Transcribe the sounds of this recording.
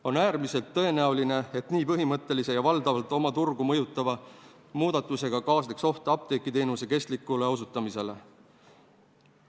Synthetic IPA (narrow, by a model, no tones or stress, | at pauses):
o̞næːɾmise̞lt̪ːɤ̞e̞næuline̞et̪niːpɤɦimɤt̪ˑːe̞lise̞jɑvɑld̪ɑvɑlt̪ˑo̞mɑt̪urɡ̥umɤ̞jut̪ːˑɑvɑ | muːd̪̥ɑt̪ːˑuse̞ɡ̥ɑkɑːslekso̞ht̪ɑp̚t̪e̞kːˑit̪e̞ːnuse̞ke̞st̪likːˑule̞o̞s̬ut̪ːˑɑmise̞le̞